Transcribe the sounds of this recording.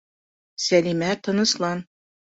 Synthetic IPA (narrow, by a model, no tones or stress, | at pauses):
sælimæt̪ːɤ̆nɤ̆slˠɑn